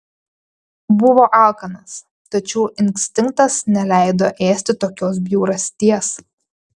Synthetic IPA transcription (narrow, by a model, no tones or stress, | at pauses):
bʊʋoːʔɑˑlˠkɐnɐs | t̪ɐt͡ʃʲɛʊʔɪŋʲksʲt̪ʲɪŋk̚t̪ɐsnʲɛlʲæˑɪd̪oːʔeːsʲt̪ʲɪt̪oːkʲoːs̬bʲjuːɾɐsʲt̪ʲiɛs